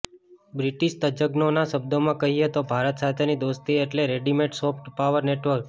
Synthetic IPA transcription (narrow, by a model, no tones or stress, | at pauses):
bɾiʈiʃt̪əd͡ʒəɡnonaʃəb̚d̪omãkəɦiet̪obʱaɾət̪sat̪ʰenid̪ost̪iːʈleɾeɖimeʈsofʈpaʋəɾneʈʋəɾk